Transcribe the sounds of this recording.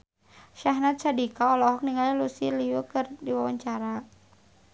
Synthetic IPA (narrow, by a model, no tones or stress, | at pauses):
ʃaɦnat̪̚sadikaɔlɔɦɔk̚niŋalalusiliukɨrdiwawaɲt͡ʃaɾa